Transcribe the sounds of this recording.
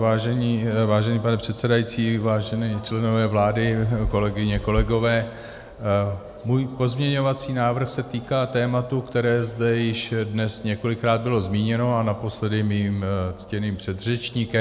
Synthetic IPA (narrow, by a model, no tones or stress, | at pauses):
vaːʒɛɲiːvaːʒɛnipanɛpr̥ɛt̪sɛdajit͡siːvaːʒɛnɛːt͡ʃlɛno̞vɛːvlaːdɪko̞lɛɡɪɲɛko̞lɛɡo̞vɛː | muːjpo̞zmɲɛɲo̞vat͡siːnaːvr̩xsɛt̪iːkaːt̪ɛːmat̪ukt̪ɛɾɛːzd̪ɛjɪʃdnɛsɲɛko̞lɪkɾaːd̪̚bɪlo̞zmiːɲɛno̞anapo̞slɛdɪmiːmt͡scɛniːmpr̝̥ɛd̪rɛt͡ʃɲikɛm